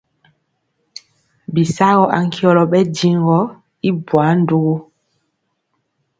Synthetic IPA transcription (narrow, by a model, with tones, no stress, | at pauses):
bi˨sa˦ɣɔ˦ʔa̰˨ŋ˦kʰi˦ɔ˦lɔ˨ɓɛ˦di˦ŋ˦ɡɔ˦ | i˦bwa˨˦n̩˦du˦ɣu˦